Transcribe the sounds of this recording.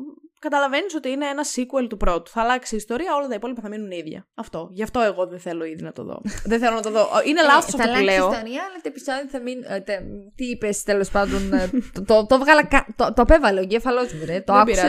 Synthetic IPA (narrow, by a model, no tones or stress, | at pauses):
kɐt̪ɐlɐve̞niso̞t̪iineenɐsikuelt̪upɾo̞t̪u̥θɐːlɐksiːst̪o̞ɾiɐo̞lɐt̪ɐipo̞lipɐθɐminuniðʝɐ̰ɐft̪o̞ʝɐft̪o̞e̞ɣo̞ðeθe̞lo̞iðinɐt̪o̞̰ðo̰ðeθelo̞nɐt̪oðo̞ʔʔinelɐsosɐɐluleosoɾɐɐlɐt̪ipisɐt̪iθɐmint̪et̪iipest̪elo̞spɐnd̪o̞nt̪ot̪ovɣɐlɐkɐt̪ot̪oɐpe̞vɐleoɟefɐlo̞zmiɾet̪oɐkbiɐ